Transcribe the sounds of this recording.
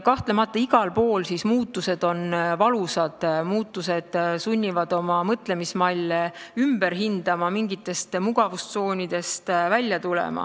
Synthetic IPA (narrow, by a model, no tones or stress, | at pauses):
kɑht̪le̞mɑt̪ːˑɑiɡ̥ɑlpo̞ːlsiːsmuːt̪ːˑuse̞d̪̥o̞nvɑlusɑd̪̥muːt̪ːˑuse̞d̪̥sunʲːivɑd̪̥o̞mɑmɤt̪ˑle̞mismɑlʲːeymb̥e̞ɾɦind̪̥ɑmɑmiŋɡit̪ˑːe̞st̪muɡ̥ɑvust̪so̞ːnʲid̪̥e̞st̪vælʲːjɑt̪ulḛmɑ̰